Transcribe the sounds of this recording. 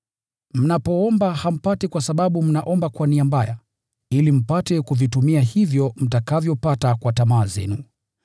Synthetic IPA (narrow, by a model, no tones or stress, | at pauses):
m̩napɔɔmbaham̩patɛkwasaɓaɓum̩naʔɔmbakwaniambaja | ilim̩patɛkuvitumiahivjɔm̩takavjɔpatakwatamaːzɛ̰nu